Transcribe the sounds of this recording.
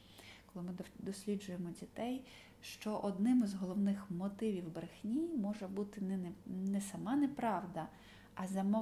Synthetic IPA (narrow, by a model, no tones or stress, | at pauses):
kɔlˠɪmɪd̪ɔsʲlʲid͡ʒʊjemɔdʲit̪ɛj | ʃt͡ʃɔʔɔd̪nɪmɪzɦɔlˠɔwnɪxmɔt̪ɪʋʲiwbɾexnʲimɔʒɛbut̪ɪnɛsɐmɑnɛpɾɑwd̪ɐ | ʔɐzɐmɔ